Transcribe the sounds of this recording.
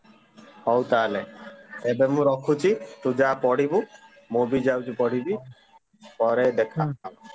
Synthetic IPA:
hɔwt̪aleebemũɾɔkʰut͡ʃʰit̪ũd͡ʒapɔɽibũ | mobid͡ʒawt͡ʃʰipɔɽ̤ibi | pɔɾed̪ekʰaa

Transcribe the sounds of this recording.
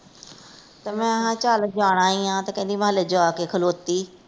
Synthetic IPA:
t̪ɐmɛ̃ːɐɦãːt͡ʃaːlək̚d͡ʒaːɽ̃aːɦĩãːt̪ɐkə̃ɦnd̪iməɦələd͡ʒaːkekʰəloːt̪iː

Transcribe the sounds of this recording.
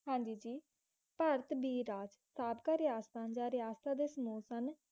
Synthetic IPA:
ɦãːɲd͡ʒiːd͡ʒiː | pəɾət̪biːɾaːd͡ʒ | saːbkaːɾɪjaːst̪ãːd͡ʒaːɾɪjaːst̪aːd̪eːsəmuːsən

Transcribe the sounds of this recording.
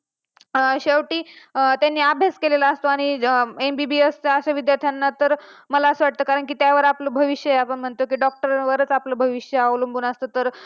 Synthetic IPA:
ɕeʋʈiːt̪janːiːabʱjaskeleləəst̪oaɽ̃iembibiest͡saəɕaʋid̪jaɾt̪ʰjanːat̪əɾməlaəsəʋaʈ̚t̪əːkaɾəɳk̬iːt̪jaʋəɾapləbʱəʋiɕjəjeapəɳm̤əɳt̪okiːɖɔk̚ʈəɾʋəɾət͡sapləbʱəʋiɕjəaʋlumbunast̪ət̪əɾ

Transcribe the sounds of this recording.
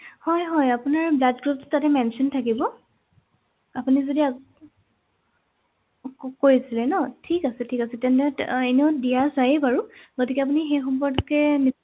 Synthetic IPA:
hɔjɦɔjapunaɹblatɡɹup̚tʊ̥tatɛmɛnsɔntʰakibɔ | apunizodia | kojisilɛnɔtʰikasɛtʰikasɛtɛntɛeneodijazajɛbaɹuɡ̥otikɛap̬unixejxɔmpɔɹdkɛmi

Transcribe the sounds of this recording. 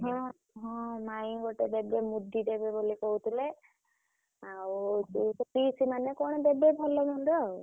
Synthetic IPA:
ɦɔ̃ | ɦɔ̃majĩɡɔʈed̪ebemud̪ʱidebebolikɔɦut̪ʰile | awt͡ʃusɔpisimanekɔɽ̃ɔd̪ebebʱɔlɔmɔnɾɔ

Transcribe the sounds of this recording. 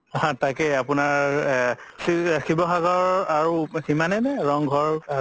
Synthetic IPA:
ɦãtakɛapunaɹ | sixibɔxaɡɔɹaɹuximanɛnɛɹɔŋɡʱɔɹ

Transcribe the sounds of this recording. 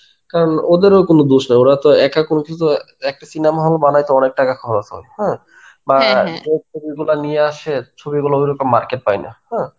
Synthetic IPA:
kaɾonod̪eɾokonod̪uʃnajoɾat̪oɛkakonokiut̪o | ɛk̚ʈasinamaɦolbanajt̪oɔnek̚ʈakakʰɔɦoɾat̪ʰo̰hɛ̃ | bad͡ʑet͡ɕʰobiɡulanijeaʃet͡ɕʰobiɡulaojɾokomaɾkeʈ̚pajna̰hɛ̃

